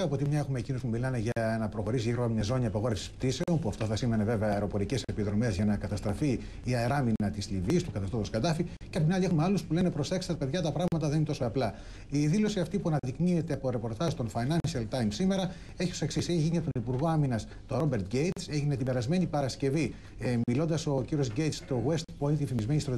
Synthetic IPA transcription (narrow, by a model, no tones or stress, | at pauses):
ɐpo̞t̪imɲɐe̞xume̞ːcino̞spumilɐne̞ʝɐnɐpɾo̞xo̞ɾisiiɣɾoɐmɲɐzo̞ɲiɐpɐɣo̞ɾefsispt̪ise̞onpuɐft̪oθɐsimene̞ve̞ve̞ɐeɾo̞po̞ɾice̞sepiðɾo̞me̞zʝɐnɐkɐt̪ɐst̪ɾɐfiː | ɐeɾɐminɐt̪islivist̪ukɐt̪ɐst̪ofoskɐt̪ɐfi | ceɐpot̪inɐlʲiexumealuspule̞ne̞pɾo̞se̞kst̪ɾpe̞ðʝɐt̪ɐpɾɐɣmɐt̪ɐðeninet̪o̞soɐplɐ | iðilo̞siɐft̪ipuɐnɐðiknie̞t̪eɐpoɾe̞po̞ɾt̪ɐzt̪o̞nfɐjnɐnʃiɐlt̪ɐjmsime̞ɾɐ | eçioseksiseçiʝiɲɐt̪o̞nipuɾɣo̞ɐminɐs | t̪o̞ɾo̞be̞ɾt̪ɡejt̪se̞ʝine̞t̪ibe̞ɾɐzme̞nipɐɾɐsce̞vi | milo̞nd̪ɐso̞ciɾio̞zɟejt̪st̪o̞ɣwe̞st̪ponit̪ifimizme̞nist̪ɾɐ